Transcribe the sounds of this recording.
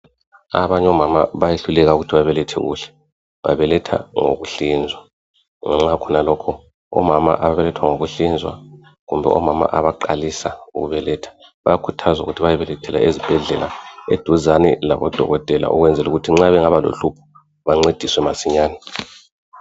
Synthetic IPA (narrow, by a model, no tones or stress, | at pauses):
a̰βaɲɛɔmamaβajeɬulɛɣauɣutʰiβaβɛlɛtʰɛ̰ɣṵːɬɛ̥ | βa̰βɛlɛtʰa̰ŋo̰ɣuɬind͡zʱwa | ŋaŋ͡ǁakʰɔnalɔkʰɔ | ɔ̰mama̰ʔaβaβɛlɛtʰwaŋoɣuɬind͡zʱwa̰ | ɣumbʱɛ̰ʔɔ̰mama̰ʔaβaǃalisauɣuβɛlɛtʰḁ | βajakʰutʰazaṵɣutʰiβajɛβɛlɛtʰɛla̰ʔezib̥ʱɛɮɛlaḛd̥ʱuzanḭla̰βɔd̥ʱɔ̰ɣɔtʼɛla̰ʔṵɣwɛnd͡zʱɛluɣutʰiŋ͡ǁaβɛŋaβalo̰ɬupʰɔ̥ | βaŋ͡ǀed̥ʱiswɛmasiɲaːnɛ